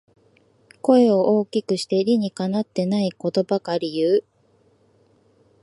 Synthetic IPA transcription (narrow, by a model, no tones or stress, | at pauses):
ko̞e̞o̞ʔoːkʲikɯ̟ɕi̥t̪e̞ɾʲiɲ̟ikanat̪ːe̞naiko̞t̪o̞bakaɾʲijɯ̟ː